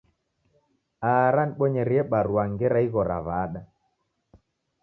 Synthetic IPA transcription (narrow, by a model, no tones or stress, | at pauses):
aɾaniɓɔɲɛɾiɛɓaɾuaŋɡɛɾaiɣɔɾa̰βaɗa